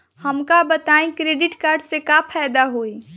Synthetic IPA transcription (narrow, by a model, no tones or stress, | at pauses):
həmkabət̪aːẽkɾeːɖɪʈkaːɾɖsekapʰaːjd̪aɦoːi